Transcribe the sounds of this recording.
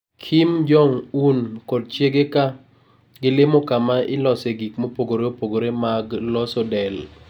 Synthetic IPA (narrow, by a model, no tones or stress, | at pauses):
kʰimd͡ʒɔŋunkɔd̚t͡ʃjeɡeka | ɡɪlɪmokamaɪlɔseɡikmopoɡoɾeopoɡoɾemaɡlɔsɔdɛl